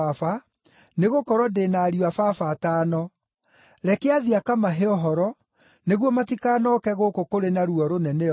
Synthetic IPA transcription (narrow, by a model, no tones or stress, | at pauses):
afa | neɣokɔɾwɔdenaːɾiwafafataːnɔ | ɾɛkeaðiakamaɦeɔɦɔɾɔ | neɣwɔmatikaːnɔkɛɣokokoɾenaɾuɔɾonɛnɛ